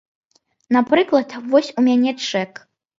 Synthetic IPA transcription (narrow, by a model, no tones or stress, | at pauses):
napɾɨklˠɐd̪vɔsʲumʲanʲɛt͡ʂɛk